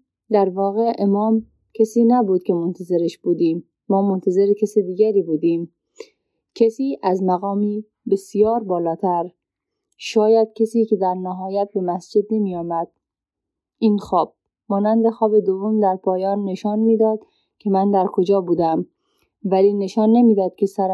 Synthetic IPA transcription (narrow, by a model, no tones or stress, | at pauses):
d̪æɾvɒːɣeʔemɒːm | kʰesiːnæbud̪̥̚kʰemont̪ʰæzeɾeʃb̥uːd̪iːmː | ɒːmont̪ʰæzeɾekʰesid̪iːɡæɾiːbuːd̪iːm | kʰesiːʔæzmæɣɒːmiː | besijɒːɾbɒːlɒːt̪ʰæɾ | ʃɒːjæd̪̥̚kʰesiːked̪æɾnæɦɒːjæt̪̚bemæsd͡ʒed̪nemijɒːmæd̪̥̚ | iːnxɒːb̥̚ | mɒːnænd̪exɒːbed̪ovːomd̪æɾpʰɒːjɒːnːeʃɒːnmiːd̪ɒːd̪ | kʰemænd̪æɾkʰod͡ʒɒːbuːd̪æm | væliːneʃɒːnːemiːd̪ɒːd̪̥̚kʰesæɾ